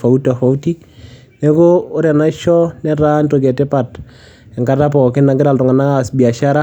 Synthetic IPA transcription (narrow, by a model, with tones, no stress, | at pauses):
fa˨u˦ta˨fa˨u˦ti˦ | nɛ˦kʊ˦ʊ˦ɾa˨na˦ʃɔ˦nɛ˦ɾa˦nto˨ɡɛ˨tɛ˦pa˨t | ɛ˨ŋka˦ta˦p̬ɔ˨kɪ˦na˨ŋɡɪ˦ɾa˨ltɔ˨ŋa˨na˦asbi˨a˨ʃa˦ɾa˦